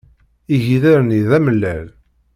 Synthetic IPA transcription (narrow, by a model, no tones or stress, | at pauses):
iʝiðæɾniðæməlːæl